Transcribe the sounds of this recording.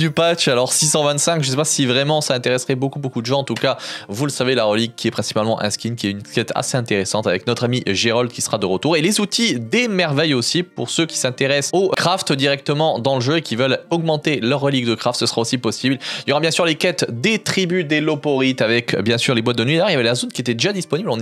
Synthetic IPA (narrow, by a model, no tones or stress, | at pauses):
d̪ypat͡ʃalɔʁsisɑ̃vɛ̃t̪sɛ̃kʒəs̬ɛpasivʁɛmɑ̃saɛ̃t̪eʁɛsʁɛbokubokud̪əʒɑ̃ɑ̃t̪ukavuləsavelaʁəliɡ̚kʲːiɛpχɛ̃si̥palmɑ̃ʔɛ̰̃skʲinkʲiɛynkʲɛt̪ʰa̰seɛ̃t̪eʁesɑ̃t̪avɛknɔt̪χamiʒeʁɔld̪kʲisə̥ʁad̪əʁət̪uʁelezut̪ʰid̪emɛʁvɛjosipṵʁsøkʲi̥sɛ̃t̪eʁɛsokχaft̪d̪iʁɛk̚t̪əmɑ̃d̪ɑ̃ləʒøekʲivœlɔɡmɑ̃t̪elœʁːəliɡd̪əkχaft̪səsəʁaosipɔsibliljɔʁabjɛ̃syʁlekʲɛt̪d̪et̪χibyd̪elɔpɔʁit̪avɛkbjɛ̃syʁlebwat̪̚d̪ənɥijʁiljavɛlazonkʲiet̪ɛd̪eʒad̪ispɔniblɔ̃n